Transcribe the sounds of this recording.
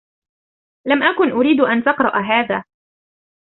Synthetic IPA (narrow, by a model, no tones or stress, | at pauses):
lamʔakʊnʔʊɾiːd̪ʔant̪ɑqɾˤɑʔɦaːðaː